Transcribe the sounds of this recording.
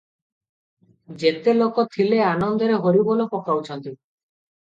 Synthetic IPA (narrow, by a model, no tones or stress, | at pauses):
d͡ʒet̪elokot̪ʰileanɔnd̪ɔɾeɦoɾibolopɔkawt͡ʃʰɔnt̪i